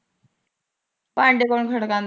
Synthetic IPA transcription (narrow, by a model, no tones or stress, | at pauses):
paɳɖekoɳkʰɐɽɐkːaːn